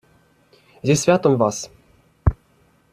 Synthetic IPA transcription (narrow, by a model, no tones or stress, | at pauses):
zʲesʲvʲat̪omʲvɑs